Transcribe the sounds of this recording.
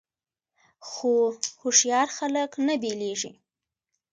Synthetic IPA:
xohoʂjɑɾxaləknabeleʐḭ

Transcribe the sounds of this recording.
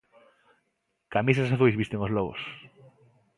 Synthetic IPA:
kamisasaθujzβist̪eŋozlɔβo̰s

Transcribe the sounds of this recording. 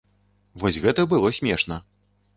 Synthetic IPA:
vɔsʲɣɛt̪ɐbɨlˠɔsʲmʲɛʂnɐ

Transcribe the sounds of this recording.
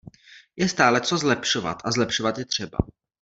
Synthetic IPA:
jɛst̪aːlɛt͡so̞zlɛpʃo̞va̰t̪ʔazlɛpʃovat̪jɛt̪r̝̥ɛba̰

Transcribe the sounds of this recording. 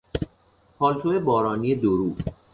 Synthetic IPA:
pʰɒːlt̪ʰoebɒːɾɒːniːed̪oɾuː

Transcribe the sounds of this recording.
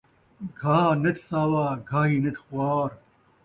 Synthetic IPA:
ɡʱaːnet̪ʰsaːwaːɡʱaːɦiːnet̪xwaːɾ

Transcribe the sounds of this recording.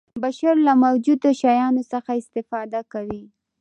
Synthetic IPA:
baʃaɾlamawd͡ʒud̪oʃɑjɑnosaxaɪst̪ɪfɑd̪akawi

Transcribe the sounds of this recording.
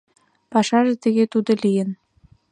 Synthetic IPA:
pɑʃɑʒĕt̪ə̆ɣet̪ud̪ŏlijə̆n

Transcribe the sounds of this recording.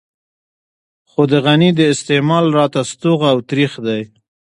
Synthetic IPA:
xod̪əɣanid̪əɪst̪emɑlɾɑt̪ast̪uɣawt̪ɾixd̪aj

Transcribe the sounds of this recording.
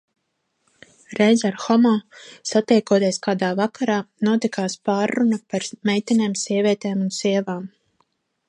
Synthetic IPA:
ɾejzaɾxɔmɔːsat̪ɛjkuɔt̪iɛskaːd̪aːvakaɾaːnuɔt̪ikaːspaːɾːunapaɾmɛjt̪ʲineːmsiɛvʲiɛt̪ɛːmunsiɛvaːm

